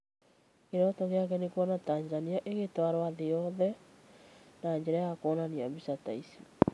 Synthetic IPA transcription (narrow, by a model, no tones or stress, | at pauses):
keɾɔtɔɣeakɛnekwɔnataɲzzaniaʔeɣetwaɾoaðejɔðɛ | naɲd͡ʑɛɾajakɔnaniabisataisḁ